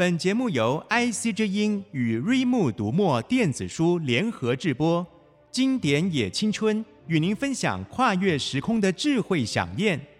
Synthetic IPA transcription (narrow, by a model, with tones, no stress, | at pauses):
pə˨˩nt͡ɕjɛ˧˥mu˥˩jo˧˥ʊa˥ɪsi˥ʈ͡ʂ̩˥i˥ny˨˩ɻwe˥˧ɪmu˥˩t̪u˧˥mwɔ˥˧t̪jɛ˥˩nt͡sɹ̩˨˩ʂu˥ljɛ˧˥nxɤ˧˥ʈ͡ʂɻ̩˥˩pwɔ˥ | t͡ɕi˥ŋt̪jɛ˧˥njɛ˨˩t͡ɕʰi˥ŋt͡sʰwə˥n | y˨˩ni˧˥ŋfə˥nɕjɑ̰˨˩ŋkʰwa˥˧ɥɛ˥˩ʂɻ̩˧˥kʰʊ˥ŋd̪ə˨ʈ͡ʂɻ̩˥˧xwe˥˩ɪɕjɑ̰˨˩ŋjɛ˥˩n